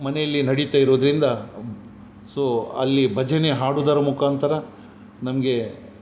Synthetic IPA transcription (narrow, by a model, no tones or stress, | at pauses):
mɐnejɐlːinɐɽit̪aːjiɾoːd̪ɐɾind̪ɐ | soːɐ̰lːibʱɐd͡ʒʱɐne̞ɦaːɽud̪ɐɾɐmukaːnt̪ʰɐɾɐ | nɐmɐɡe̞